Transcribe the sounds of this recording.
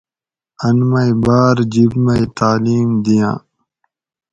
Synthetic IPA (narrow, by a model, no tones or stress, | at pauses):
ɐnmɐibaːɾd͡ʑibmɐit̪aːliːmd̪ijã̰ː